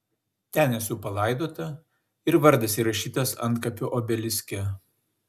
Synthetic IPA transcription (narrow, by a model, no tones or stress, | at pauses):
t̪ʲænʲɛsuːpɐlˠɐɪd̪oːt̪ɐ | ɪɾʋɐɾd̪ɐsiːɾɐʃʲiːt̪ɐsɐ̰nˑt̪̚kɐpʲʊʔoːbʲɛlʲɪsʲkʲɛ